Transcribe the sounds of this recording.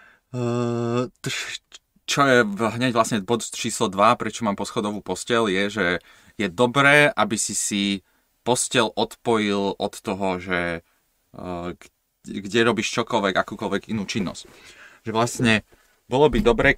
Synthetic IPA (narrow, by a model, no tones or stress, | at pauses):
t̪ | t͡ʃɔjɛɦɲɛɟʋlasɲɛbɔt̪t͡ʃiːslɔd̪ʋapɾɛt͡ʃɔmaːmpɔsxɔd̪ɔʋuːpɔscɛljɛʒɛ | jɛd̪ɔbɾɛːʔabisisi | pɔscɛlʔɔt̪pɔjilʔɔt̪ːɔɦɔʒɛ | ɡ | ɡɟɛɾɔbiːʃt͡ʃɔkɔlʋɛɡakuːkɔlʋɛɡinuːt͡ʃinːɔ̰scʒɛʋlasɲɛ | bɔlɔbid̪ɔbɾɛː